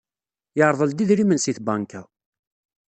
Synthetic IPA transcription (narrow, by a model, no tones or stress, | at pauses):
jəʕɾˤðˤəld̪iðɾimənsiθbɑŋkæ